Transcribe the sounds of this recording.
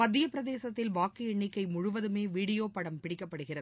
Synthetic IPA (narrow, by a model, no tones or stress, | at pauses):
pɐt̪ːɪjɐpɪɾɐðeːsɐt̪ːɪlʋaːkːiɛɳːɪkːɐɪmʊɻʊʋɐðɯmeːʋiːɽɪjoːpɐɽɐmpɪɽɪkːɐpːɐɽɯɣɪrɐð